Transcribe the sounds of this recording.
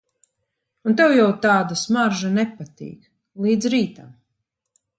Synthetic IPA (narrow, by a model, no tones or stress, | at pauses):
unt̪ɛwjawt̪aːd̪asmaɾʒanɛpat̪ḭːk | lˠiːd̪zɾiːt̪am